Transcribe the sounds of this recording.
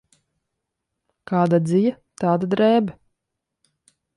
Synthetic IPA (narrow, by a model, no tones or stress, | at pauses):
kaːd̪ad̪zija | t̪aːd̪ad̪ɾɛːbɛ